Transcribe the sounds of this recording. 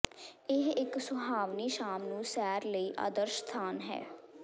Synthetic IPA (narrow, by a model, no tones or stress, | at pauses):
ɪɦɪksʊɦaːʋniːʃaːmnũːsɛːɾləiʔa̰ːd̪əɾʃt̪ʰaːnɦɛ̰ː